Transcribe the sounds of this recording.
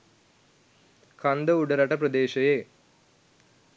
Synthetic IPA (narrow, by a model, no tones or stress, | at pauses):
kʰɐnd̪ɐuɖɐɾɐʈɐpɾɐd̪eːʃɐjeː